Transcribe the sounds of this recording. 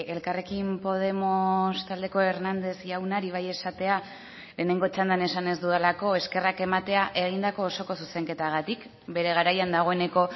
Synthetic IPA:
e̞lkare̞kimpo̞ð̞e̞most̪ald̪e̞ko̞e̞ɾnand̪e̞sʝawnaɾiβ̞aje̞sat̪e̞a | le̞ːne̞ŋɡo̞t͡ʃand̪ane̞sane̞zd̪uðelako̞e̞ske̞rake̞mat̪e̞aʔe̞ɣ̞ind̪ako̞ːso̞ko̞suse̞ŋke̞t̪aɣ̞at̪ik | be̞ɾe̞ɣ̞aɾajand̪aɣ̞o̞e̞ne̞ko̞

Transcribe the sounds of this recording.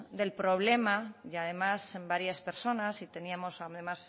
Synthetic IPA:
d̪e̞lpɾo̞β̞le̞maað̞e̞masembaɾjaspe̞ɾso̞nasit̪e̞niamo̞saðemas

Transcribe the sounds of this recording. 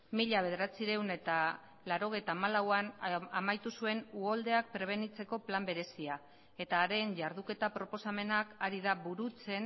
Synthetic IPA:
miʎaβe̞ð̞e̞ɾat͡siɾe̞wne̞t̪a | laɾo̞ɣ̞e̞jt̪aːmalawanamajt̪usue̞nuold̪e̞ak̚pɾe̞β̞e̞nit͡se̞ko̞plambe̞ɾe̞sia | e̞t̪aːɾe̞ɲʝaɾðuke̞t̪apɾo̞po̞same̞nakaɾiðaβuɾut͡se̞n

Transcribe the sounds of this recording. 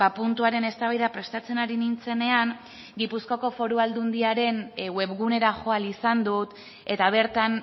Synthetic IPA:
apunt̪uaɾe̞ne̞st̪aβajðapɾe̞st̪at͡se̞naɾinint͡se̞ne̞aŋ | ɡipusko̞ko̞fo̞ɾuald̪und̪iaɾe̞nwe̞βɣune̞ɾaʝo̞alisand̪ut̪ | e̞t̪aβ̞e̞ɾt̪an

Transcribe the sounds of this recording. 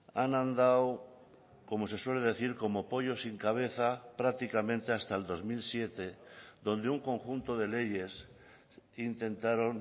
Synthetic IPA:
anãnd̪aw | ko̞mo̞se̞swe̞le̞ð̞e̞θiɾko̞mopo̞ʎo̞siŋkaβ̞e̞θapɾak̚t̪ikamẽ̞nt̪e̞ast̪aeld̪o̞zmilsje̞t̪e̞ðo̞nd̪euŋko̞ŋxunt̪oðe̞le̞ʝe̞s | int̪e̞nt̪aɾo̞n

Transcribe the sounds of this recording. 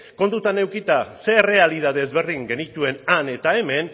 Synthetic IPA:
ko̞nt̪ut̪ane̞wkit̪ase̞re̞alið̞að̞e̞ːzβe̞ɾðiŋɡe̞nit̪ue̞nane̞t̪ae̞me̞n

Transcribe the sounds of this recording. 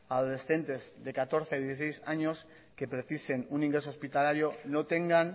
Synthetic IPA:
að̞ole̞sθe̞nt̪e̞zðe̞kat̪o̞ɾθeðjeθisejsaɲo̞s | ke̞pɾeθise̞nunĩŋɡɾe̞sospit̪alaɾjo̞not̪e̞ŋɡan

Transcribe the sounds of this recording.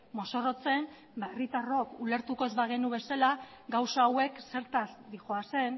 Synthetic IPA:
mo̞so̞ro̞t͡se̞n | baerit̪aro̞kule̞ɾt̪uko̞e̞zβaɣe̞nuβe̞salaɡawsaːwe̞kse̞ɾt̪ad̪ixo̞ase̞n

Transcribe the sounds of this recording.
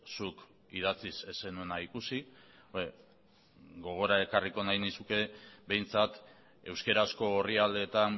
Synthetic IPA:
suk | ið̞at͡sise̞senuenaikusi | e | ɡo̞ɣ̞o̞ɾae̞kariko̞najnisuke̞be̞jnt͡sat̪ | e̞wske̞ɾasko̞ːriald̪e̞t̪an

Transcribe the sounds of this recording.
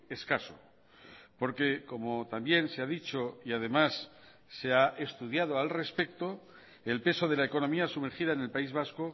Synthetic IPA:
e̞skaso̰ | po̞ɾke̞ko̞mo̞t̪ambje̞nse̞aðit͡ʃo̞iað̞e̞masː | eaʔest̪uð̞jað̞o̞alre̞spe̞kt̪o̞ | elpe̞so̞ð̞e̞laeko̞nõ̞miasume̞ɾxiðaene̞lpaizβasko

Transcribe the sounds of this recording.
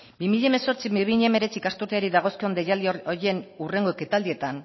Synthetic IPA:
bimiʎameso̞ɾt͡simiβiʎeme̞ɾe̞t͡sikast̪uɾt̪eaɾiðaɣ̞o̞skio̞nd̪ejalioɾje̞nure̞ŋɡoket̪ald̪ie̞t̪an

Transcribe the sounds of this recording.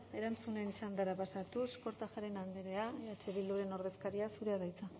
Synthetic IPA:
e̞ɾant͡sunenisand̪aɾapasat̪usko̞ɾt̪aʝaɾe̞nand̪eɾe̞aat͡ʃeβild̪uɾe̞no̞ɾð̞e̞skaɾiasuɾeaðajt͡sa

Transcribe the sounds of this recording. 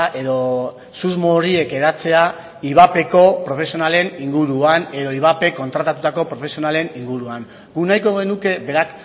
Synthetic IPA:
ʔe̞ðo̞ | suzmo̞ɾie̞ke̞ɾat͡se̞a | iβ̞ape̞ko̞pɾo̞fe̞sionale̞niŋɡuɾuane̞ðo̞iβ̞ape̞ko̞nt̪ɾat̪at̪ut̪ako̞pɾo̞fe̞sio̞nale̞niŋɡuɾuaŋ | ɡunajko̞ɣe̞nuke̞be̞ɾak

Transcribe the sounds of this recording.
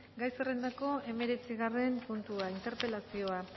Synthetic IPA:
ɡajsere̞nd̪ako̞e̞me̞ɾe̞t͡siɣare̞mpunt̪uaint̪e̞ɾpe̞lasio̞a

